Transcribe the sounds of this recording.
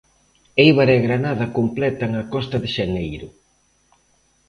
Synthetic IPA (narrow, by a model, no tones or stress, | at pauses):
ejβaɾeɣɾanaðɐkomplɛt̪ɐeŋakɔst̪ɐðɪʃanejɾʊ